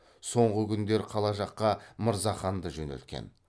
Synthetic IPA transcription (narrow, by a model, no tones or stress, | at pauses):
so̞ɴʁəkʲʏnd̪e̞ɾqʰɑlˠɑʒɑqːɑməɾzɑχɑnd̪əʒɵnḛlt̪kʲḛn